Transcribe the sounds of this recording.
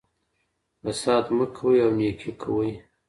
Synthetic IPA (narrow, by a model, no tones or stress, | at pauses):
asɑt̪məkʰwəjawnekʰikʰəwəj